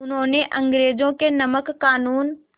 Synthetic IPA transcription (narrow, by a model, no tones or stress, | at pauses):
ʊnɦõːneʔɐ̃ŋɡɾeːd͡ʒõkenɐməkːaːnuːn